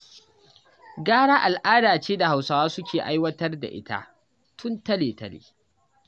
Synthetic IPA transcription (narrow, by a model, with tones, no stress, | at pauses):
ɡaː˦ɽaː˦ʔa˨lʔaː˦daː˨t͡ʃeː˦da˨ha˨wsaː˨waː˦sʊ˦kʲeː˨ʔa˦jwɐ˦tɐ˦rda̰˨ʔɪ̰˦ta̰˦ʔ | tʰʊ˦ntɐ˦leː˨tɐ˦lḛː˨